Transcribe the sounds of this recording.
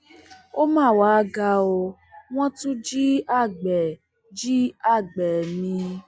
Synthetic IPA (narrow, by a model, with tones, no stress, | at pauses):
o˦mãː˦˨wa˨˦ɡa˧o˧ | w̃ɔ̃˦tũ˦d͡ʒi˦a˦˨ɡ͡bɛ˨ | d͡ʒi˦a˦˨ɡ͡bɛ˨mĩ˧